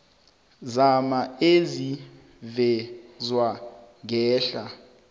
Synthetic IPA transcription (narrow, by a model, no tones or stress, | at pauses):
zamaezi | vɛzwaŋɡɛːɬa